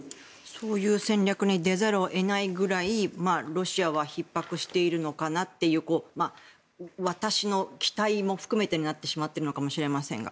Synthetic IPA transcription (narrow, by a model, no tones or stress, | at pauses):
so̞ːjɯ̟ːsẽ̞ɲɾʲakɯ̟ɲ̟id̪e̞zaɾoʔe̞naiɡɯ̟ɾaimaːɾo̞ɕiaβaçipːakɯ̟ɕi̥t̪e̞iɾɯ̟no̞kanat̪ːe̞jɯ̟ːko̞ːma | βat̪aɕino̞kʲi̥t̪aimo̞ɸɯ̟̥kɯ̟me̞t̪e̞ɲinat̪ːe̞ɕimat̪ːe̞ɾɯ̟no̞kamo̞ɕiɾe̞masẽ̞̰ŋɡa̰